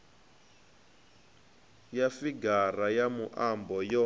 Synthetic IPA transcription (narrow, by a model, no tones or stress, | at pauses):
jafiɡarajamuʔambɔjɔ